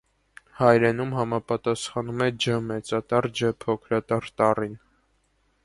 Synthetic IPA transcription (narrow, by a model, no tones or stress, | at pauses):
hɑjɾɛnumɦɑmɑpɑt̪ɑsχɑnumɛd͡ʒəmɛt͡sɑt̪ɑɾd͡ʒəpʰɔkʰɾɑt̪ɑɾt̪ɑrin